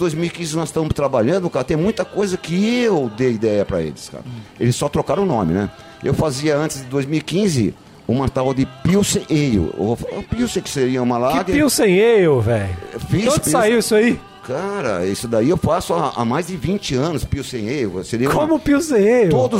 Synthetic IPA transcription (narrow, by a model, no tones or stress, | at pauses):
d̪ojzmiwikĩzɪnɔst̪ɐ̃mʊst̪ɾabaʎɐ̃d̪ʊkaɾɐt̪ẽj̃mũj̃t̪ɐkojzɐkɪewd̪eid̪ɛjɐpɾɐ̰ḛlɪska̰ɾɐelɪsːɔt̪ɾokaɾɐ̃nõmɪ̰nɛ̰ | ḛwfaziɐɐ̃nt͡ʃɪzd̪ɪd̪ojzmiwikĩzɪ̰ | ʊmat̪awd̪ɪpiwsẽʔejʊ̰fpiwsẽj̃kɪ̥seɾiɐũmɐlakɡpiwsẽj̃ejʊvɛjfisõpsaiwisai | kaɾɐ̰isʊd̪aiewfasʊaa̰majzd͡ʒ̪ɪvĩnt͡ʃɪɐ̃nʊspiwsẽj̃ejʊseɾiɐkõmʊpiwsẽj̃ejʊt̪od̪ʊ